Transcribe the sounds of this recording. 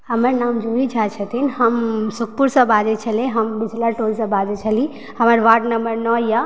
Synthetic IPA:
ɦəməɾnaːmd͡ʒuɾid͡ʒʰat͡ʃʰət̪ʰinɦɐmsʊk̚puɾsə̃baːd͡ʒet͡ʃʰəlẽɦɐmbid͡ʒʱlaʈolsə̃bad͡ʒet͡ʃʰəlĩ | həməɾʋaːʈnɐmbəɾnɔja

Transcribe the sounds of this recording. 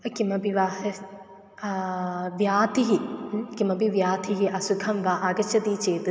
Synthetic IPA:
ɐkimɐbiʋaːhɐ | ʋjaːt̪iɦikimɐbiʋjaːt̪ʰiɦiʔɐsukʰɐmʋaʔaɡɐt͡ʃɐd̪iːt͡ʃeːt̪ɨ

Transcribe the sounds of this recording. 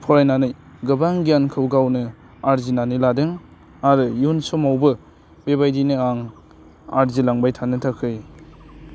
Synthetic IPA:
pʰɔɾajnanɯj | ɡɯbaŋɡijankʰɯwɡawnɯ | aɾzinanɯjladɯŋ | aɾɯjunsɔmawbɯ | bebajdinɯaŋ | aɾzilaŋbajtʰanɯtʰakʰɯj

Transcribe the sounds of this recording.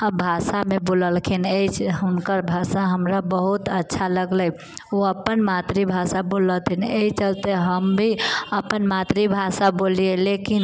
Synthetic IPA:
bʱasameboləlkʰinet͡ʃʰunkəɾbʱasaɦəmɾabəɦut̪ətːʃʰaləɡlə | oəpːənmat̪ɾibʱasabolət̪ʰineɦit͡ʃəlt̪eɦəmbʱiəpənmat̪ɾibʱasabolielekin

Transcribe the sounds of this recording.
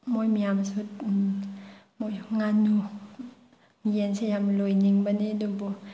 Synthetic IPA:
mojmijamsut̚ | mojŋanu | mijensejamlojniŋbanidobɔ

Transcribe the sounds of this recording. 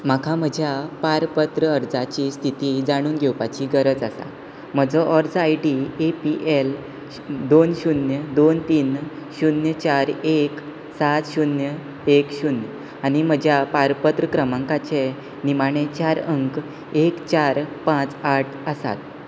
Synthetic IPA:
m̤akʰam̤əd͡ʑʱjapaɾpət̪ɾəəɾd͡zat͡ɕiːst̪ʰit̪iːd͡zaɽ̃uːnɡʱewpat͡ɕiːɡəɾəd͡zəsa̰ | m̤əd͡zɔʔɔɾd͡zajɖiepiʔel | d̪onɕunjəd̪ont̪iːn | ɕunjət͡ɕaɾek | sat̪ɕunjə | ekɕunjə | añim̤əd͡ʑʱjapaɾpət̪ɾəkɾəmãŋkat͡ɕe | nimaɽ̃et͡ɕaɾəŋk | ekt͡ɕaɾpãt͡saʈʰəsa̰t̪

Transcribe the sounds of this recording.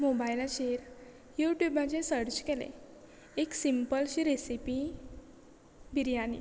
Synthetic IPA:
mobailɕeɾ | juʈjubat͡ɕesəɾt͡ɕkɛlḛ̃ | eksimpəlɕiɾesipi | bʱiɾjanḭ

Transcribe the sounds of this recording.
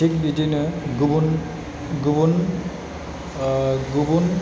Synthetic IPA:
ik̚bidinɯɡubun | ɡubun | ɡubun

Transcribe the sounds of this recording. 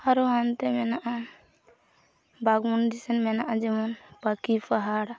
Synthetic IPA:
haɾɔant̪ɛmɛnaʔa | baɡmundisɛnmɛnaʔad͡ʒɛmɔnpakipʰaɦaɽ

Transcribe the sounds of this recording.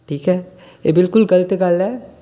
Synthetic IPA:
ʈʰiːkɦɛː | eːbɪlkʊlɡɐlət̪eɡalɛː

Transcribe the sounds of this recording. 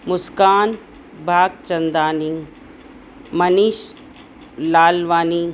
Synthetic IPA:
mʊskaːn | bʱaːɡt͡ʃɐnd̪aːniŋ | mɐniʃ | laːlʋaːni

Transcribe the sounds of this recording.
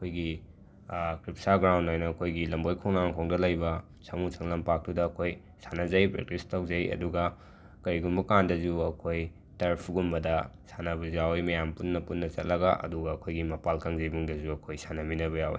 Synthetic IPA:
ɐkʰojɡi | kɾipsaɡɾawndajnɐːkʰojɡilɐmbojkʰoŋnaŋkʰoŋdɐlɐjbɐ | samut͡ʃʰɐŋlɐmpak̚tudɐːkʰoj | sanɐzɐjpɾḛk̚tistʰawzɐjɐ̰duɡɐ | kɐɾiɡumbɐkandɐzuɐkʰoj | tɐɾpʰuɡumbɐdɐsanɐbɐzawjmɐjampunːɐpunːɐt͡ʃɐt̚lɐɡɐʔɐ̰duɡɐɐkʰojɡimɐpalkɐŋzɐjbuŋdɐzuɐkʰojsanɐminɐβɐjawj̰

